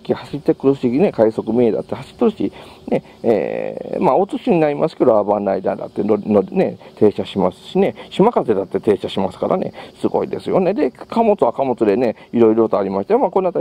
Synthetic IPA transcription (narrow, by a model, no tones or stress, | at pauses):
kʲihaɕit̪ːekɯɾɯsiine̞kaiso̞kɯ̟mʲied̪a̰t̪ːe̞haɕi̥t̪ːoɾɯ̟ɕi | ne̞ | ḛmao̞t͡sɨɕiɲ̟inaɾʲimʔasɨ̥ke̞d̪oabãnɾaid̪a̰d̪a̰t̪ːeonone̞t̪ʰe̞ːɕaɕimasɨ̥ɕine̞ɕimakat̪e̞d̪at̪ːe̞t̪e̞ːɕaɕimasɨ̥kaɾʔa̰ne̞̰sɨɡo̞̰ḭd̪e̞sɨjo̞ned̪e̞kʰamo̞t͡sɨakamo̞t͡sɨd̪e̞ne | iɾo̞iɾoot̪oaɾʲimaɕi̥t̪ajomako̞nːat̪ːa